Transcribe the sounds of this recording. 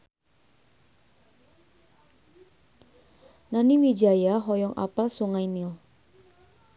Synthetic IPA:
naniwid͡ʒajaɦɔjɔŋʔa̰palsuŋajnil

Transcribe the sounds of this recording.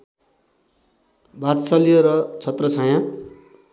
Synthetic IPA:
bat̪sʌlijoɾʌt͡sʰʌt̪rʌsajã

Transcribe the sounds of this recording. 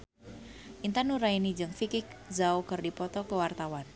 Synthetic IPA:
ʔint̪anuɾainid͡ʒɨŋfikɪk̚zaukərdipɔt̪ɔkəwart̪awan

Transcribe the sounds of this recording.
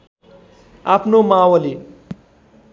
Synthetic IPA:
apʰnomawʌli

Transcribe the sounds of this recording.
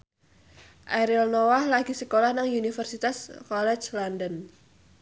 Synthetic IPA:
ʔaɾilnowahlaɡ̥isəkolahnaŋjunifərsit̪askɔlɛt͡ʃlandən

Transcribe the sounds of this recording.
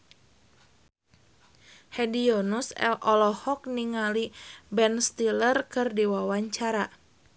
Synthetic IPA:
hɛdionusɛ̰lʔɔlɔhɔk̚niŋalibɛnst̪ilərkɨrdiwawaɲt͡ʃaɾa

